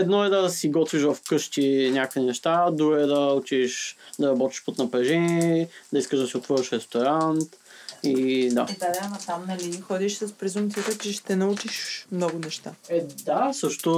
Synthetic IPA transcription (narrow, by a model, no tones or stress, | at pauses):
ɛd̪nɔɛd̪ɐsiɡɔt̪viʃ̬vɐfkɤʃt̪ʲinʲjakoinɛʃt̪ad̪ɾuɡɛd̪ɐut͡ʃiʃd̪ɐɾɐbɔt̪i̥ʃpot̪nɐpɾɛʒɛnɛd̪ɐiskəʒd̪ɐsiot̪vɤɾəʃɾɛst̪oɾant̪id̪a̰id̪aɾnɐt̪amnɐlixɔd̪iʃsɐspɾɛzumpt̪sijət̪ət͡ʃɛʃt̪ɛnɐut͡ʃiʃmnɔɡʊnɛʃt̪aɛd̪asɤʃt̪ʊ